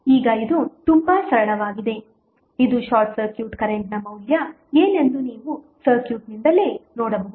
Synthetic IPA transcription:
iːɡɐid̪ut̪umbɐsɐɾɐɳɐʋaːɡid̪e̞ | id̪uʃaːɾʈsɐɾkjuːʈkɐɾeɳʈnɐmɐwljɐ | eːne̞nd̪uniːʋu | sɐɾkjuːʈnind̪ɐle̞ːnɔːɽɐbɐɦu

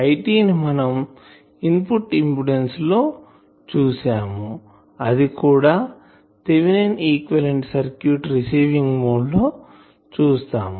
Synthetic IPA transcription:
ɐjʈiːnimɐnɐm | impuʈimpuɽenslo̞ː | t͡ʃuːsaːmu | ɐd̪ikuːɽaː | t̪eʋineniːkʋɐleɳʈsɐɾkjuːʈɾisiːʋiŋɡmoːɖloː | t͡ʃuːst̪a̰ːmu

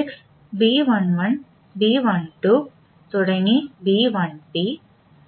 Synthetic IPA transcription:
sɪks | biːʋɐnʋɐn | biːʋɐnʈu | t̪ʊɽɐŋɡibiːʋɐnbiː

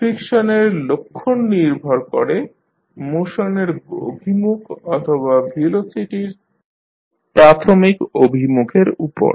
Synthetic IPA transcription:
fɾikʃoneɾlokʰːonːiɾbʱɔɾkoɾe | moʃoneɾo̰bʱimukʰɔt̪ʰoβabʱilosiʈiɾ | pɾat̪ʰomikobʱimukʰeɾupo̰ɾ

